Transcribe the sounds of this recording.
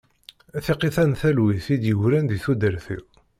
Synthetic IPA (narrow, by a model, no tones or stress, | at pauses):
æθiqiθænθælwiθid̪jəwɾænd̪iθud̪əɾθḭ